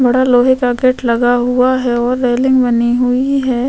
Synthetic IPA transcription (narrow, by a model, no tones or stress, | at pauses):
bɐɽaloːɦekaɡeʈlɐɡaɦʊaɦɛɔːɾːeːlɪ̃ŋɡbɐniɦʊiɦɛː